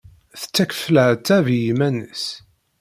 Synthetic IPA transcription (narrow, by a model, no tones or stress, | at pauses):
θə̥t͡sːækə̥fləʕt͡sːævjimænəs